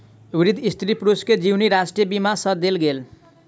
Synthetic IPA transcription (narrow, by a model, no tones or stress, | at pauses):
bɾid̪ʱist̪ɾipɾusked͡ʒiwniɾasʈijebimasʌd̪elɡel